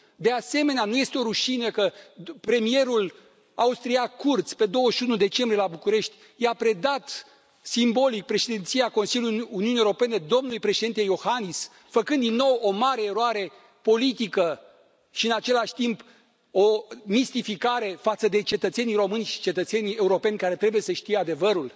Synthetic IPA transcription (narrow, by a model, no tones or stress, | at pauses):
d̪e̞ase̞me̞neanuje̞st̪eo̞ɾuʃinəkəpɾe̞mije̞ɾul | aust̪ɾiakːurt̪spe̞d̪o̞wəʃiunud̪e̞t͡ʃembɾijelabukuɾe̞ʃt̪ʲ | japɾe̞d̪at̪ | simbo̞lik̚pɾe̞ʃed̪int̪sijako̞nsiljʲuuniunijeoɾope̞ne̞d̪o̞mnulujpɾe̞ʃed̪int̪ejo̞hanis | fəkɨnd̪inːo̞wo̞maɾe̞ːɾoaɾe̞ | po̞lit̪ikə | ʃiɨnat͡ʃe̞laʃʲt̪imp | o̞mist̪ifikaɾe̞fat̪səd̪e̞t͡ʃe̞t̪ət̪se̞nijro̞mɨnʲʃi̥t͡ʃe̞t̪ət̪se̞nie̞uɾo̞pe̞nʲkaɾe̞t̪ɾe̞buje̞səʃt̪ijead̪e̞vəɾul